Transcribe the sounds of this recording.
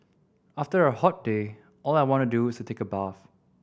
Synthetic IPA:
aftəɹəhɔt̚d̥e | ʔɔlaɪwɔ̃ntuduɪstutʰekəbaf

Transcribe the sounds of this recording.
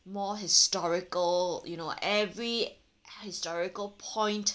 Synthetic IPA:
mɔɦɪstɔɹɪkəljunoʔɛvɹi | hɪstɔɹɪkəlpʰɔ̃ɪ̃nt

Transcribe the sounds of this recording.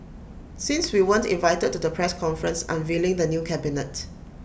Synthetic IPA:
sĩnswiwə̃ntḭ̃nvaɪtəd̚tːudəpʰɹɛskʰɔ̃nfɹə̃nsã̰nvelɪ̃ŋdənjukʰɛbinət

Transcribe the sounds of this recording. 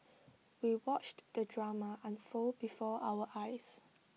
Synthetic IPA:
wiwɔt͡ʃd̥ədɹamaʔãnfobifɔʔawəʔajs

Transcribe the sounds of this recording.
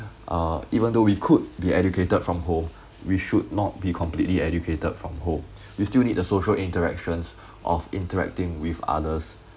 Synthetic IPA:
ʔaivə̃ndowikʰud̚biʔɛd͡ʒukʰetəd̥fɹɔ̃mɦõm | wiʃud̚nɔt̚bikʰɔ̃mplitliɛd͡ʒjukʰetəd̥fɹɔ̃mɦõm | wistilnid̚dəsoʃəlĩntəɹɛ̰k̚ʃə̃ns | ʔɔfḭ̃ntəɹɛ̰k̚tɪ̃ŋwifa̰dəs

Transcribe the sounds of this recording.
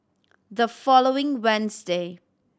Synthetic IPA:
dəfɔloɪ̃ŋwɛ̃nsde

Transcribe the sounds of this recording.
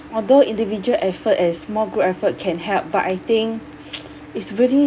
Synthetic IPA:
ɔldoĩndivid͡ʒuəlʔɛfətɛsmɔlɡɹoɛfət̚kʰɛ̃nhɛlp̚ba̰ʔajt̪ĩŋk | itsɹɛɹi

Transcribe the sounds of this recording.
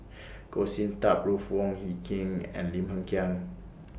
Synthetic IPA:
kosĩntap̚ɹufwɔ̃ŋhikʰĩŋɛ̰̃nlĩmhə̃ŋkʰiãŋ

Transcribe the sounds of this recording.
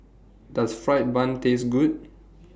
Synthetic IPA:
dasfɹaɪt̚bãntesɡud̚

